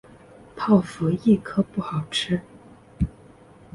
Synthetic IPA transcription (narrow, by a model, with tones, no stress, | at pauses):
pʰɑ˥˩ʊfu˧˥i˥˩kʰɤ˥pu˥˩xɑ˨˩ʊʈ͡ʂʰɻ̩˥